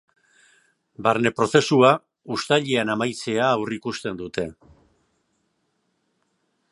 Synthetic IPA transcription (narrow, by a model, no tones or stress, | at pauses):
baɾne̞pɾo̞θe̞sua | ust̪aʎeanamajt͡se̞aːwrikust̪e̞nd̪ut̪e̞